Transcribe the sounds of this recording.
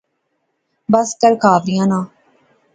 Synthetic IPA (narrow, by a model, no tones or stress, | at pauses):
bəsk̪əɾkʰaːʋɾɪjãːnãː